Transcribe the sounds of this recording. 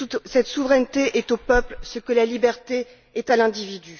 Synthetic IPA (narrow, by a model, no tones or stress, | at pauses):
ut̪sɛt̪suvʁɛnt̪eʔɛt̪opœplsəkəlalibɛʁt̪e | ɛt̪alɛ̃d̪ivid̪y